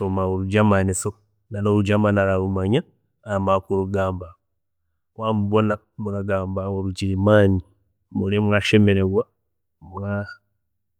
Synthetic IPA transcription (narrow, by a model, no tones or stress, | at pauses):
somauɾud͡ʒamaniso | nanoɾud͡ʒamanaɾaɾumaɲaː | makuɾuɡaːmba | kwamubona | mukaɡaːmbauɾud͡ʒiɾimani | muɾemwaʃemeɾeɣwa | mwaa